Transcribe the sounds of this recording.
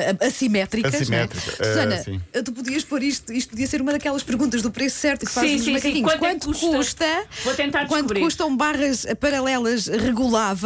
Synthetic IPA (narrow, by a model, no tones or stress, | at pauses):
ɐsimɛt̪ɾikɐsimɛt̪ɾikɐsuzɐnɐsḭ̃ɛt̪upuðiɐʃpoɾiʃt̪uiʃ̬t̪̚puðiɐseɾumɐðɐkɛlˠɐʃpɨɾɣũnt̪̬ɐʒðupɾessɛɾt̪u̥kfazz̃mɐkɐiɲw̪̃kwɐ̃nt̪uukuʃt̪ɐvot̪ẽnt̪aɾd̪kwɐ̃nduβɾiɾkuʃt̪ɐ̃w̃baʁɐʃpɐɾɐlˠɛlˠɐʃʁɨɣulˠav